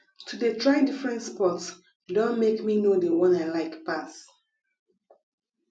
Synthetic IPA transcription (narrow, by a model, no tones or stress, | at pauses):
tʰudətʰɹaɪdifɹɛ̃ntspɔts | dõnmekminodəwɔ̃naɪlaɪkpas